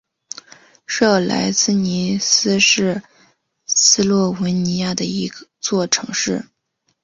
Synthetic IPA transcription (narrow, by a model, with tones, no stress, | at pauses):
ʂɤ˥˩la̰˧˥ɪt͡sɹ̩˥ni˧˥sɹ̩˥ʂɻ̩˥˩ | sɹ̩˥lwɔ˥˩wə˧˥nni˧˥ja˥˩d̪ə˩i˧˥˧t͡swɔ˥˩ʈ͡ʂʰɤ̰˧˥ŋʂɻ̩˥˩